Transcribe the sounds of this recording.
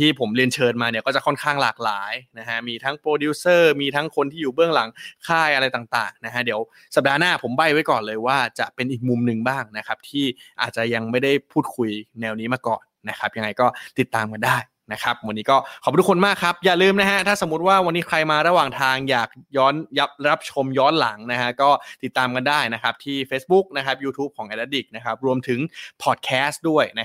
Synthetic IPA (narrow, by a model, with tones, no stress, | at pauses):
t̪ʰiː˥˩pʰo˩˦mli˧ənt͡ɕʰɤː˧nmaː˧ni˥˩kɔː˥˩t͡ɕa˨˩kʰɔ˥˩nkʰaː˥˩ŋlaː˨˩k̚laː˩˦jna˦˥kʰa˦˥miː˧t̪ʰa˦˥ŋpɾoː˧duː˦˥sɤː˥˩miː˧t̪ʰa˦˥ŋkʰo˧nt̪ʰiː˥˩juː˨˩bɯ˥˩əŋla˩˦ŋkʰaː˥˩jʔa˧ɾa˧jt̪aː˨˩ŋt̪a̰ː˨˩ŋna˦˥kʰa˦˥di˩˦əw | sa˨˩p̚daː˧naː˥˩pʰo˩˦mba˨˩jwa˦˥jkɔː˨˩nlɤː˧jwaː˥˩t͡ɕa˨˩ʔpe˧nʔiː˨˩k̚mu˧mnɯ˧ŋbaː˥˩ŋna˦˥kʰa˦˥p̚t̪ʰiː˥˩ʔa̰ː˨˩t͡ɕa˨˩ja˧ŋma˥˩jda˥˩jpʰuː˥˩t̪̚kʰu˧jnɛː˧wniː˦˥maː˧kɔː˨˩nːa˦˥kʰa˦˥p̚ja˧ŋːa˧jkɔː˥˩t̪i˨˩t̪ːaː˧mka˧ndaː˥˩j | na˦˥kʰa˦˥p̚wa˧nːiː˦˥kɔː˥˩kʰɔ˨˩p̚du˧˥kʰo˧nmaː˥˩kʰɾa˦˥p̚jaː˨˩lɯː˧mna˦˥kʰa˦˥t̪ʰaː˥˩so˩˦mːu˦˥t̪̚waː˥˩wa˧nːiː˦˥kʰɾa˧jmaː˧ɾa˧˥waː˨˩ŋt̪ʰaː˧ŋjaː˨˩k̚jɔː˦˥nja˦˥p̚ɾa˦˥p̚t͡ɕʰo˧mjɔː˦˥nla˩˦ŋna˦˥kʰa˦˥kɔː˥˩t̪i˨˩t̪ːaː˧mka˧ndaː˥˩jna˦˥kʰa˦˥p̚t̪ʰiː˥˩feː˦˥sbu˦˥k̚na˦˥kʰa˦˥p̚juː˧t̪ʰuː˦˥p̚kʰɔː˩˦ŋʔa˧˩da˦˥t̪̚di˨˩k̚na˦˥kʰa˦˥p̚ɾu˧əmt̪ʰɯ˩˦ŋpʰɔ˨˩t̪̚kʰɛː˦˥st̪du˥˩əjna˦˥